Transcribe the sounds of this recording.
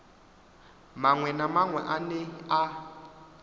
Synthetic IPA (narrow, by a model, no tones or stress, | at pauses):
maŋwɛnamaŋwɛ̰ʔanea